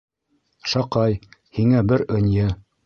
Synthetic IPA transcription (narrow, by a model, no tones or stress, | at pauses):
ʃɑqɑjhiŋæbɘɾɵ̆njɘ